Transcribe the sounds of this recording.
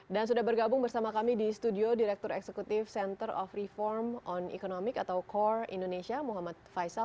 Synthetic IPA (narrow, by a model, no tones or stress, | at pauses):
dans̬udahbərɡabʊŋbərsamakamidist̪udiodiɾɛk̚t̪ʊɾɛ̰ksekut̪ɪfsɛnt̪ərɔfrifɔrmɔnḭkonomɪkat̪awkɔrḭndonesiamuɦamat̪̚fajsa